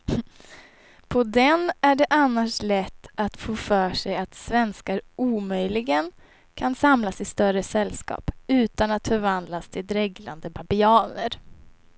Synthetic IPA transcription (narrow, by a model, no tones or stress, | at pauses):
pʰɔd̪ɛnæɖɛʔanːaʂlɛt̪ːʔat̪foːfœːʂɛjat̪svɛnskaɾuːmœjlɪɡən | kʰansamlasɪst̪œɾəsɛlːskɑ̰ːpʉ̟ːt̪anat̪fœɾvand̪last̪ʰɪld̪ɾɛɡla̰nd̪əbabɪɑːnəɾ